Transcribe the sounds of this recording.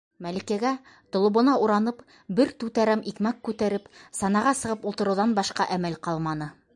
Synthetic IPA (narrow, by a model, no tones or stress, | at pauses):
mælikæɡæ | t̪ŏlˠŏβŏnɑʔuɾɑnɤp | bɘɾt̪ʉt̪æɾæmʔikmækːʉt̪æɾɘpsɑnɑʁɑsɤ̆ʁɤpulˠt̪ɤ̆ɾɤ̆wðɑnbɑʃqɑʔæmælqɑlˠmɑnɤ